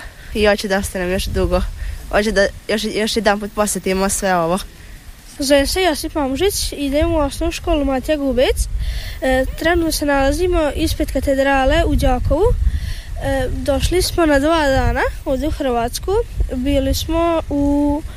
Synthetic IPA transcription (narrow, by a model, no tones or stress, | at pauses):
iot͡ɕud̪aost̪anemjoʃd̪uɡoot͡ɕed̪ajoʃjoʃjed̪anpuːt̪̚posjet̪imosʋeoʋo | zesejosifmamuʒit͡ɕid̪eːmuosnouʃko̞ːlˠumat̪jaɡubet̪s | t̪ɾenut̪nose̞nalaziːmo̞ʔispet̪kat̪ed̪ɾaːle̞ud͡ʑaːkoʋu | d̪oʃlismo̞nad̪ʋaːd̪aːnaoːʋd̪euxɾr̩ʋaːt̪skubiːlismou